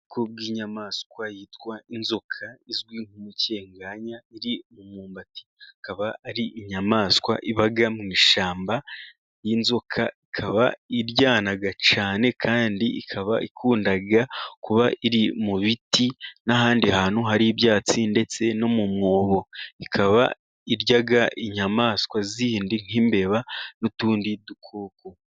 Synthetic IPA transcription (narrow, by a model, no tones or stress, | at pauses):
kob̚ɡiːɲamaːskwajiːtwainzo̞kʰaizɡwiːŋhumuce̞ːŋɡaːɲaiɾimumuːmbati̥akaβaːɾiʔiɲamaːskwa̰ʔiβaɡamŋiːʃaːmba | jinzo̞kʰaikʰaβaiɾɟaːnaɡat͡ʃaːne̞kʰaːndiikʰaβa̰ʔikʰuːndaɡakuβaiɾimuβitinaɦaːndihaːn̥huɦaɾiβjaːt͡sinde̞t͡se̞no̞mumŋoːβo̞ikʰaβa̰ | iɾɟaɡaʔiɲamaːskwaziːndin̥iːmbe̞βanotuːndidukʰoːko